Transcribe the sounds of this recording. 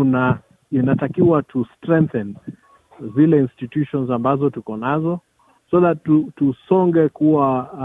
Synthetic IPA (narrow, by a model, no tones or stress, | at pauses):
na | inatakiwatʰustɾɛ̃ŋ̚θɛn | zilɛinstitjuʃɔnzambazɔtukɔnazɔ | sɔðatutusɔŋɡɛkuwa